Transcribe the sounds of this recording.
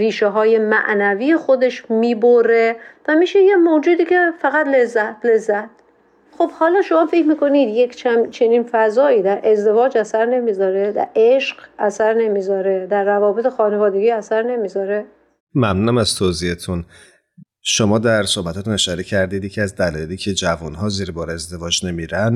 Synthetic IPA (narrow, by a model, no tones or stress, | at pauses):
riːʃeɦɒːje̞mæ̰ʔnæviːje̞xo̞d̪e̞ʃmiːboɾe̞væmiːʃejemod͡ʒuːd̪iːcʰe̞fæɣæt̪le̞zːæt̪̚ʰle̞zːæt̪̚ | χobhɒːlɒːʃo̞mɒːfecʰmiːko̞niːd̪jecʰt͡ʃʰæmt͡ʃʰe̞niːnfæzɒːiːd̪æɾʔe̞zd̪e̞vɒːd͡ʒæsæɾne̞miːzɒːɾe̞d̪æ̰ɾeʃɢæsæɾne̞miːzɒːɾe̞d̪æɾːævɒːbe̞t̪ʰe̞xɒːnevɒːd̪e̞ɡiːæsæɾne̞miːzɒːɾe | mæmnunæmæz̥t̪ʰoziːet̪ʰun | ʃomɒːd̪æɾso̞hbæt̪ʰɒːt̪uneʃɒɾecʰæɾd̪iːd̪jecʰiæzd̪ælɒ̰ːjeliːcʰe̞d͡ʒævunɦɒːziːɾebɒːɾeezd̪e̞vɒːd͡ʒne̞miːɾæn